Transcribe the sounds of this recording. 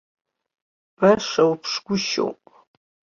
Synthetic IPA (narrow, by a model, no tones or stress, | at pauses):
b̥ɐʂɐwpʰʂɡʷʊʃo̰wpʼ